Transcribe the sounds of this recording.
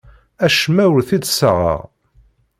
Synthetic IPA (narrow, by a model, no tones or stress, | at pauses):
æʃmæwəɾθid̪səʁə̰ʁ